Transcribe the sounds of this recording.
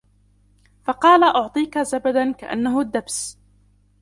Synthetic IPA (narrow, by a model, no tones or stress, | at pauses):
fɑqɑːlaʔʊʕt̪ˤiːkazabad̪anka̰ʔa̰nːaɦʊd̪ːabs